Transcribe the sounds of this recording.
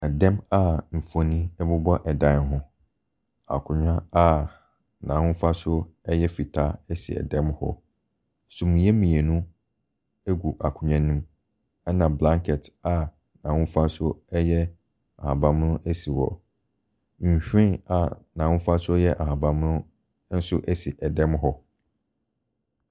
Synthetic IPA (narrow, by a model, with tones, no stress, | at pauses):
a˨dɛ̃˦ma˦m̩˨fo˨nĩ˦ɛ˦bʊ˦bɔ˦ʔɛ˨dã˨˦ɦʊ̃˦ | a̰˨kʰʊ̃˨ɲᶣã˦a˦ | nã˨hʊ̃˦fa˦sʊ˦ɛ˦jɛ˦fi˨tʰa˦ɛ˦si˨ɛ̰˨dɛ̃˦mhɔ̰˦ | sʊ̃˨m̃˨jɛ˦mĩ˨e˨nũ˦ | e˦ɡu˨ʔa˨kʰʊ˨ɲã˨nĩ˦m | ɛ˦nã˨blã˦ŋkʰɛ˨ta˨ | nã˨wʊ̃˦n˦fa˦sʊ˦ɛ˦jɛ˦ | a̰˨hã˨bã˨m˦nʊ̃˦ʔæ˦si˨wɔ̰˨ | ɕᶣĩ˦a˨nã˨wʊ̃˦fa˦sʊ˦jɛ˦ʔa˨hã˨bã˨m˦nʊ̃˦ | n̩˦sʊ˦ʔæ˦si˨ʔɛ˨dɛ̃˦mɦɔ˦